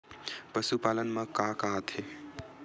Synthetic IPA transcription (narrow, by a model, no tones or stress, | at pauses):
pəsupaːlənməkakəɦət̪ɦe